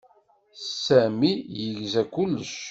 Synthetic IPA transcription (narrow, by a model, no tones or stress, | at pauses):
sæmijəʝzækːʊlːʃ